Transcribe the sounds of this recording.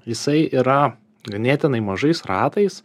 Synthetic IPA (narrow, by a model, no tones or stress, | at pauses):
jɪsɐɪiːɾɐ | ɡɐnʲeːt̪ʲɪnɐɪmɐʒɐɪsɾɑ̰ːt̪ɐɪs